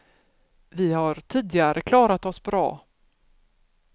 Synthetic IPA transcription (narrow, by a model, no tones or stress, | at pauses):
vɪhaɾʈʰiːd̪ɪɡaɾʔəkʰlɑːɾat̪ɔsbɾɑ̰ː